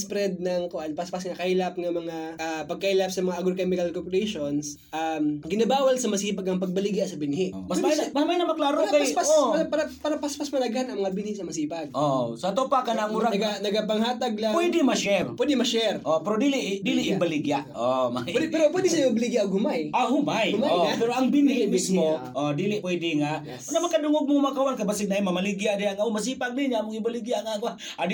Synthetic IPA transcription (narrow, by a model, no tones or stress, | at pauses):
spɾɛd̪̚nɐŋkoʔanpɐspasŋɐkɐilap̚ŋɐmɐŋaʔapɐɡ̚kɐhilap̚sɐmɐŋaʔɐɡɾokɛmɪkɐlkoɾpoɾɛjʃons | ʔamɡɪnɐbaːwɐlsɐmɐsiːpɐɡɐŋpɐɡ̚bɐlɪɡjaʔsɐbɪnhɪʔmɐsɛmamajnɐmɐklaːɾokapspaoɐpɐɾɐpɐɾɐpɐspɐsmɐlɐɡanʔɐŋmɐŋabɪnhɪsɐmɐsiːpɐɡ̚ʔosɐt̪opakɐnaŋuɾaɐɡanɐɡɐpɐŋhaːt̪ɐɡ̚lɐŋpwɛd̪ɛmɐʃɛrpɔdimaʃɛrɔpəɾodiliʔdiliʔːmbəliɡiaʔɔma̰idipəɾopɔdisajubəliɡiaɡumaiaɦumajmaɔaɾoaŋbinibismoɔdiliʔpoidiŋa | namakadoŋoɡ̚muŋumakawankabasinaimamaliɡiadeaŋaumas̬ipaŋ̚diɲamuŋimbəliɡiaʔŋaɡa | adi